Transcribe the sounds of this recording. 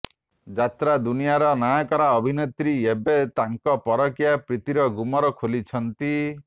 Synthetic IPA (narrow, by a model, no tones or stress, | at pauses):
d͡ʒat̪ɾad̪unijaɾɔnakɔɾaɔbʱinet̪ɾiebet̪aŋkɔpɔɾɔkijapɾit̪iɾɔɡumɔɾɔkʰolit͡ʃʰɔnt̪i